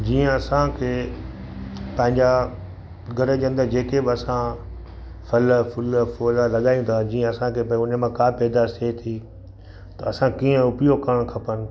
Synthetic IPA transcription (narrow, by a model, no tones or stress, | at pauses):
d͡ʑiːə̃ɐsãkʰeː | pɐ̃ɦɪ̃ɲd͡ʑa | ɡɐɾəʄɐ̃nd̪əd͡ʑeːkebɪɐsã | fɐlfʊlfoːlalɐɠaːĩũd̪ʰad͡ʑiːə̃ɐsãkʰeːpɐ̃ʊnəmãkaːpɛːd̪aset̪ʰi | t̪ɐɐsãkiːə̃ʊpijokɐɽ̃kʰɐpənɪ̆